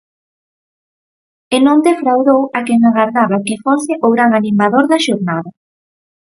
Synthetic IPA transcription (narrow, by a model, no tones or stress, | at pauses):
enõnd̪efɾawðowakɛŋaɣaɾðaβakefosɪʔoɣɾaŋanimaðoɾðaʃoɾnaðɐ